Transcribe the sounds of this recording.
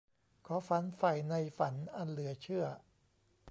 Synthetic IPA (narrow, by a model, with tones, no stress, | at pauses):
kʰɔː˨˦˥fa˨˦nfa˨˩jna˧jfa˩˦nʔa˧nlɯ˩˦ɐt͡ɕʰɯ˥˩ɐ